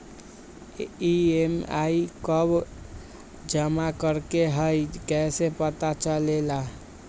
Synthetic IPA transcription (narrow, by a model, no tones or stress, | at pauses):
iema̰ikəb | d͡ʒəmakəɾkeɦəjkɛsepət̪at͡ʃəlela